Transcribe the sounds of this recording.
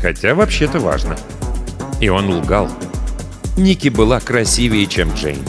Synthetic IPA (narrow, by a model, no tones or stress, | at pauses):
xɐtʲavɐpɕːet̪əva̰ʐnə | ɪo̞nlˠɡalˠ | nʲikʲɪbɨlˠakɾɐsʲivʲɪjət͡ɕemdʐɛ̰jnʲ